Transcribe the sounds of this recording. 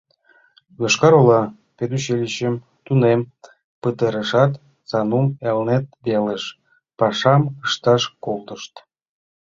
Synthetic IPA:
βɤʃkɑɾolɑ | ped̪uɕelʲiɕəm | t̪unem | pət̪əɾəʃɑt̪ | sɑnumelnet̪̚βeləʃ | pɑʃɑməʃt̪ɑʃkolt̪əʃt̪

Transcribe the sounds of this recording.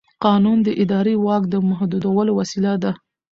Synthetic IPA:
qɑnund̪əʔɪd̪ɑɾewɑkd̪əmaɦd̪ud̪awəlowasilad̪a

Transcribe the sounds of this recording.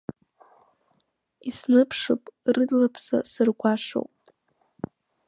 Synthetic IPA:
isnɨpʰʂopʼrɨdlapʰsa̰sɨrɡʷaʂo̰wpʼ

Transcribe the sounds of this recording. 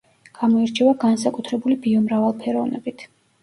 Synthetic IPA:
ɡ̥amɔiɾt͡ʃʰɛvaɡans̬akʼut̪ʰɾɛbulibiɔmɾavalˠpʰɛɾɔvnɛ̰bit̪ʰ

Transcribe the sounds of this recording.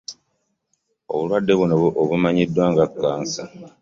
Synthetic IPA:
o̞̰βulwadːe̞βunoβuʔoβumaɲidːwaːŋɡakːaːnsa

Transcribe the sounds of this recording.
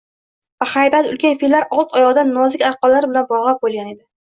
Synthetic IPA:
vahajbalʊ̰lkʲʰanfilːaɾɒlˠt̪ʰɒjɒʁd̪anːɒzɪkʲaɾqɒllːaɾbɪlanbɒʁlˠap̚bolˠɡʲane̞d̪ɪ

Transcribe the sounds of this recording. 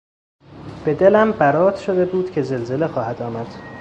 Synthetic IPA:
b̥e̞d̪e̞læmbæɾɒːt̪ʃod̪e̞buːd̪̥cʰe̞ze̞lze̞le̞xɒːhæd̪ɒːmæd̪̥

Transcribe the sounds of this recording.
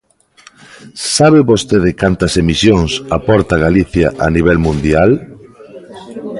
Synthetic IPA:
saβeβost̪eðɪkant̪ɐsemisjoŋsapɔɾt̪ɐɣaliθjɐʔa̰niβ̞ɛlmũnd̪jal

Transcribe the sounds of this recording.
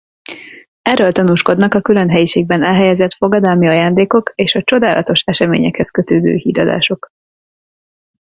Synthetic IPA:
ɛrːølt̪ɒnuːʃko̞d̪nɒkɒkylønɦɛjiʃeːɡ̚bɛnɛlɦɛjɛzɛt̪fo̞ɡɒd̪ɒlmiɒjaːnd̪eːko̞keːʃɒt͡ʃo̞d̪aːlʔɒt̪o̞ʃɛʃɛmḛːɲɛkhɛskø̞t̪øːd̪ø̰ːhḭːɾɒd̪a̰ːʃo̞k

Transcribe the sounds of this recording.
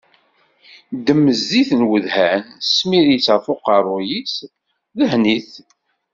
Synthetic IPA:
d̪əmːəzːiθnwəðhænsmiɾjit͡sːəɾfʊqɑrˤːʊjis | ðəhniθ

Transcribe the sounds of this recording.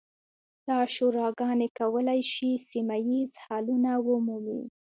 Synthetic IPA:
d̪̥ɑʃoɾɑɡɑnekawəlajʃisimajizhɑlunawəmumḭ

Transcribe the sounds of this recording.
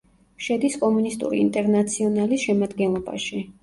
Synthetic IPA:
ʃɛd̪iskʼɔmunist̪ʼṵɾḭːnt̪ʼɛɾnat̪sʰiɔnalisʃɛmad̪ɡɛnlˠɔba̰ʃi

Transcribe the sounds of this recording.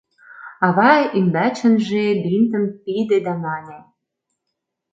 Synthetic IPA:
ɑβɑimbæt͡ɕə̆nʒebint̪ə̆mpid̪ed̪æmɑne

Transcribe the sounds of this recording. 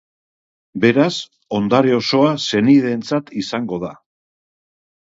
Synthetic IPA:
be̞ɾas | o̞nd̪aɾeo̞so̞ase̞niðe̞nt͡sat̪isaŋɡo̞ð̞a

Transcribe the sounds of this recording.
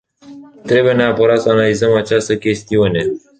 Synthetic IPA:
t̪ɾe̞buje̞neapəɾat̪səanalizəmat͡ʃast̪əkʲe̞st̪iune̞

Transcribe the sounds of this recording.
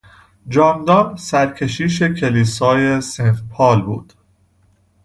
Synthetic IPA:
d͡ʒɒːmd̪ɒːnsæɾcʰe̞ʃiːʃ̬e̞cʰe̞liːsɒːje̞senfpʰɒːlbuːd̪̥

